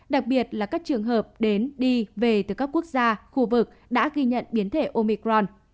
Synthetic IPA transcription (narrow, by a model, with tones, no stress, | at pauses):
ɗa˨˩k̚ɓi˨˩ət̚laː˨˩kaː˦˥k̚t͡ɕɨ˨˩əŋɦəː˨˩p̚ɗe˨˦nɗi˧ve˨˩t̪ɨ˨˩kaː˦˥kːu˦˥ək̚zaː˧xu˧vɨ˨˩k̚ɗa̰ː˧˥ɣi˧ɲə̰˧˨nɓi˨˦ənt̪ʰe˧˩ʔo˧mi˧kɾɔ˧n